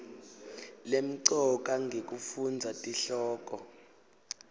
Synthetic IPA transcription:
lem̩ǀɔk̬ʼaŋɡʱek̬ʼufund͡zʱatʼiɬɔːk̬ʼɔ

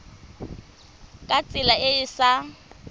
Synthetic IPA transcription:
kʼat͡sʼɪlaɪɪsa

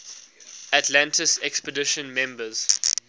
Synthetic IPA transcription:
atʰlãntɪsɛkspədɪʃə̃nmɛ̃mbəz̥

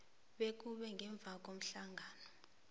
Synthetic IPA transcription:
ɓek̬uɓɛŋʱɛɱb̪vʱak̬om̩ɬaŋʱaːnɔ

